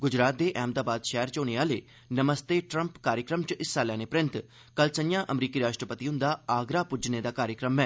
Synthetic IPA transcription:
ɡʊd͡ʒɾaːt̪̚d̪eːʔɛːmd̪aːbaːd̪ʃɛːəɾt͡ʃoːneːaːleː | nəməst̪eːʈɾə̃mpkaːɾjəkɾəmt͡ʃəɪsːaːljãːneːpɾɪ̃nt̪ | kəlsənjãːʔəmɾiːkiːɾaːʃʈɾəpət̪iːɦʊ̃nd̪aːaːɡɾaːpʊd͡ʒneːd̪aːkaːɾjəkɾəmɛː

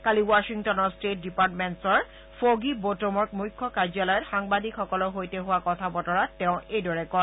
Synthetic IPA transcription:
kaliwaʃiŋtɔnɔɹstet̚dipatmensɔɹ | foɡibotomɔɹkmujkʰːɔkaɹd͡ʒjalɔjɔtxaŋbadikxɔkɔlɔɦojteɦʊwakɔtʰabɔtɔɹatɛʊ̃ʔejdɔɹɛkɔ

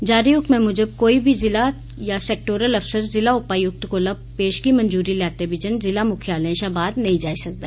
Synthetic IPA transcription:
d͡ʒaːɾijʊk̚t̪mẽmʊd͡ʒəb̚koːibʱizɪla | jaseːk̚ʈoːɾəlɐfsəɾzɪlaʊpaːijʊk̚t̪kolɐb̚peːʃɡimɐ̃nd͡ʒuːɾilaːt̪ebɪd͡ʒənzɪlamʊkʰjaːlẽʃabaːd̪nɐɦĩd͡ʒaːisɐk̚d̪aː

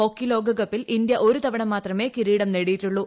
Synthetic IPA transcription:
o̞kːilo̞ːɡɐɡɐpːilind̪jɐʔo̞ɾut̪ɐʋɐɳɐmːaːt̪rɐme̞ːkiɾiːɽɐmneɽijiʈːuɭːu

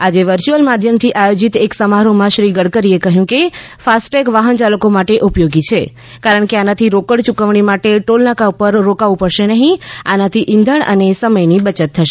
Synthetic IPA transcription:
ad͡ʒeʋəɾt͡ʃuəlmad̪ʱjəmt̪ʰiʔajod͡ʒit̪eksəmaɾomãʃɾiɡəɽkəɾiekəɦjũkefasʈekʋaɦənt͡ʃaləkomaʈeʔupjoɡit͡ʃʰe | kaɾəɳkeanat̪ʰiɾokəɽt͡ʃukəʋɳ̃imaʈeʈolnakaupəɾːokaʋũpəɽʃenəɦĩanat̪ʰiʔɪ̃nd̪ʱəɳʔə̰nesəməjnibət͡ʃət̪ʰːəʃe̥

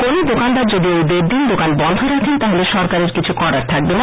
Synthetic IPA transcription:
konod̪okand̪aɾd͡ʑod̪iojd̪eɾd̪ind̪okanbɔnd̪ʱoɾakʰent̪aɦoleʃɔɾkaɾeɾkit͡ɕʰukɔɾaɾt̪ʰak̚bena

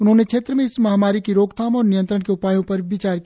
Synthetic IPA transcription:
ʊnɦõnekʰeːt̪ɾəmẽɪsmɐɦamaːɾikiɾoːɡt̪ʰaːmɔːɾnijənt̪ɾəɽ̃keʊpaːjõpəɾbit͡ʃaːɾki

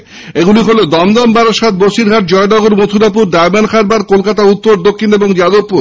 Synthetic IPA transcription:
eɡuliɦolod̪ɔmd̪ɔmbaɾaʃat̪̚ʰboʃiɾɡʱaʈ̚d͡ʑɔeɖɔɡoɾmot̪ʰuɾap̬uɾɖaebankʰaɾbaɾkolkat̪aut̪ːoɾd̪okʰːineboŋd͡ʑad̪oppuɾ

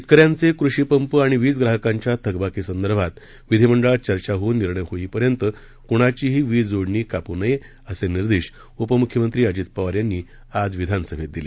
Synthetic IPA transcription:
it̪̚kəɾjãnt͡sekɾuɕiːpəmpəaɽ̃iʋiːt͡sɡɾaɦəkãɲt͡ɕjat̪ʰəɡbakisənd̪əɾbʱat̪ | ʋid̪ʱiməɳɖəɭat͡ɕəɾt͡ɕaɦonːiɾɳəjɦoiːpəɾjənt̪ə | kuɽ̃at͡ɕiːɦiːʋiːd͡zoɽɳiːkapunəje | əseniɾd̪eɕ | upəmukʰjəmənt̪ɾiːad͡ʑiːt̪̚pəʋaɾjanːiː | ad͡zʋid̪ʱansəbʱet̪̚d̪ile

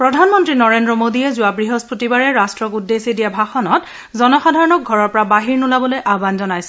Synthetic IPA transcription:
pɹɔdʱanmɔntɹinɔɹendɹɔmodiɛzʊabɹiɦɔspotibaɹɛɹastɹɔkudːesidijabʱaxɔnɔt | zɔnɔxadʱaɹɔnɔk̚ɡʱɔɹɔɹpɔɹabaɦiɹnulabɔlojʔabanzɔnajsɛ̥

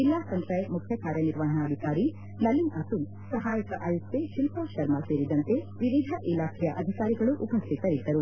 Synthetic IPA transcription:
ilːaːsɐnt̪ɾɐjmukʰjɐkaːɾjɐniɾʋaːɦɐɳɐːd̪ʱikaːɾi | nɐlinɐt̪um | sɐɦaːjɐkɐʔɐjut̪ːeʃilpaːʃɐɾmɐseːɾid̪ɐnt̪e | ʋiʋid̪ʱɐʔilaːkʰɛjɐʔɐd̪ʱikaːɾiɡɐɭuʔupɐst̪ʰit̪ɐid̪ːɐɾu

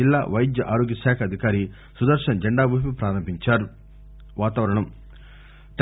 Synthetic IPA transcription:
ilːa̰ːʋɐjd̪jɐʔaːɾoːɡjɐʃaːkʰɐɐd̪ʱikaːɾi | sud̪ɐɾʂɐnd͡ʒɐɳɖaːbʱuːpipɾaːɾɐmbʱiɲt͡ʃaːɾu | ʋaːt̪aːʋɐɾɐɳɐm | ʈ̪

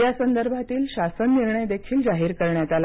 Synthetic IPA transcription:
jasənd̪əɾbʱat̪iːlɕasənːiɾɳəjd̪ekʰiːld͡zaɦiːɾkəɾɳjat̪al

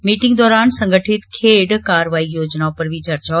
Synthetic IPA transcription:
miːʈɪ̃ŋɡd̪ɔːɾaːnsɐ̃ŋɡʱəʈʰɪt̪kʰeːɖkaːɾʋaːijoːd͡ʑnapɐɾʋiːt͡ɕaɾt͡ɕa

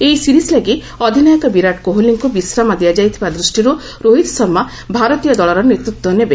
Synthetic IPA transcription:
ejsiɾislaɡi | ɔd̪ʱinɔjɔkɔbiɾaʈkoɦuliŋkubisɾamad̪ijad͡ʒajt̪ʰibad̪ɾusʈiɾu | ɾoɦid̪sɔɾma | bʱaɾɔt̪ijɔd̪ɔɭɔɾɔnet̪ɾut̪wɔnebe

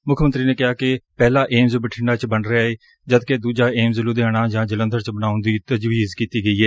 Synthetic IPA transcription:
mʊkʰmənt̪ɾiːneːkɪɦaːkɪpɛːlaːʔeːmzbəʈʰɪɳɖaːt͡ʃbənɾeaːeː | d͡ʒəd̪keːd̪uːd͡ʒaːʔeːmzəlud̪eaːɽ̃aːd͡ʒãːd͡ʒələnd̪əɾt͡ʃbənaːʊ̃nd̪iːt̪əd͡ʒʋiːzkiːt̪iːɡəiːɦɛː

